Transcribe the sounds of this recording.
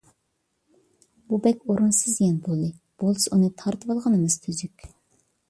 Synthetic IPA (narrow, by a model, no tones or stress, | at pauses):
b̥ubɛkʲoɾunsɨzjɛnbolˠɨ | b̥olˠsunɨt̪ʰɑɾt̪ʰɨwɑlˠʁɑnɨmɨz̥t̪ʰyzykʲ